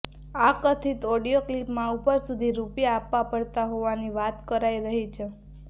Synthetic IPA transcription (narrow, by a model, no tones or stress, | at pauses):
akət̪ʰit̪ɔɽijoklipmãupəɾsud̪ʱiɾupijaːpːapəɽt̪aɦoʋaniʋat̪kəɾaiɾəɦit͡ʃʰe